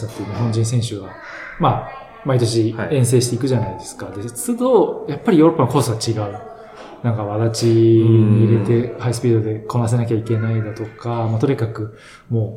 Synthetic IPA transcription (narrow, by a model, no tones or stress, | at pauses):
sãt̪eiɯ̟ɲiɦõ̞ɲ̟d͡ʑĩɰ̃sẽ̞ɰ̃ɕɨɡa | ma | mait̪o̞ɕ̬iẽ̞ɰ̃s̬e̞ːɕi̥t̪e̞ikɯ̟ʑanaid̪e̞sɨ̥kad̪e̞t͡sɨd̪o̞japːaɾʲijo̞ɾo̞pːanoko̞ːsɨɡat͡ɕiɡaɯ̟ | nãŋkaβ̞aɾat͡ɕiɲ̟iːɾe̞t̪e̞haisɨ̥pʲiːd̪od̪e̞ko̞nas̬e̞nak̬ʲaike̞naid̪at̪o̞kamat̪o̞ɲekakɯ̟ | mo̞ː